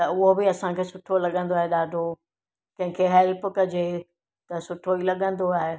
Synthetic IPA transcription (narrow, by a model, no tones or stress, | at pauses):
t̪ɐʊɦobɪɐsãkʰeːsʊʈʰolɐɠə̃nd̪oaːɦeɗaːɖʱo | kɐ̃ɦɪ̃kʰeɦɛlpkɐd͡ʑe | t̪ɐsʊʈʰoilɐɠə̃nd̪oaːɦe